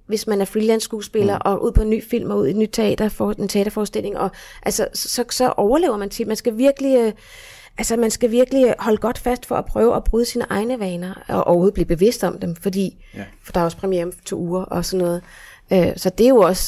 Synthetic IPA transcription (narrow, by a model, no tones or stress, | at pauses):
ʋe̝smænæɐfʁilænsːɡ̥uːsb̥e̝lɐːʔɒ̽ʔuð̰ˠpʰɒ̽enːy̰ːfil̰mɒuð̰ˠe̝dnyd̥̚t͡sʰe̝ɛ̰d̥ɐfɒent͡sʰeɛ̰ːd̥ɐfɒːsd̥e̝l̰e̝ŋʔɒ̽ʔælsəsɒ̽sɒ̽ʔɒʊɐle̝ːʊɐmænt͡sʰe̝mænsɡ̥æʋiɐɡ̥əli | ʔælsəmænsɡ̥æʋiɐɡ̥əlihɒ̽ləɡ̥ɒ̽d̥fæsd̥fɒ̽ʔæpʰʁœːʊʔæb̥ʁyð̞ˠsiːnəʔɑ̈ɪnəʋɛːnɐɒʔɒ̰ʊɐhoð̩ˠbliːb̥e̝ʋe̝sd̥ɒ̽md̥emfɒ̽d̥ḭː | fd̥ɑ̈æɐɒ̽spʰʁɛmiemt͡sʰo̝̰ːuːɐʔɒ̽sɒ̽nːɔ̽ːð̩ˠ | øsɒ̽d̥e̝jo̝ɒ̽s